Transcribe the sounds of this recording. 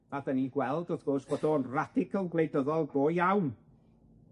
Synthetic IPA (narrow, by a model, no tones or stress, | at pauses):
adəniɡwɛlˠdɔθɡ̥ɔsb̥ɔdoːnrad̥ɪkʰəlˠɡlˠejdəðɔlˠboːjawn